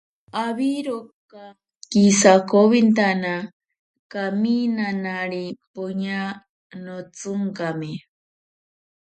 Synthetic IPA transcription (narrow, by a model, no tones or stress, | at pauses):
aβiɾoka | kisakoβint̪ana | kaminanaɾipoɲa | not͡sʊŋkami